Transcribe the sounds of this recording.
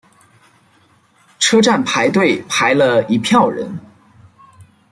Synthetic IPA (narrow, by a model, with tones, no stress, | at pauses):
ʈ͡ʂʰɤ˥ʈ͡ʂa˥˩npʰa˧˥ɪt̪we˥˩ɪpʰa˧˥ɪlə˧i˧˥pʰjɑ˥˩ʊɻə̰˧˥n